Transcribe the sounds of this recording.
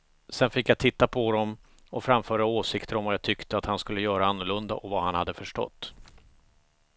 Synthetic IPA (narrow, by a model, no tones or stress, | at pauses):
sɛnfɪkjat̪ʰɪt̪ːapʰɔd̪ɔm | ɔfɾamfœːɾaoːsɪkt̪əɾɔmvajat̪ʰʏkt̪əat̪hanskɵlːəjœːɾaanːʊɭɵnd̪a̰ʔɔvahanhad̪ːəfœʂʈɔ̰t̪ː